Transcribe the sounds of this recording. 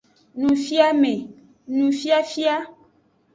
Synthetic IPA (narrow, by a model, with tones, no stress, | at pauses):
nũ˨fi˦a˦mẽ˨ | nũ˨fi˦a˦fi˦a˦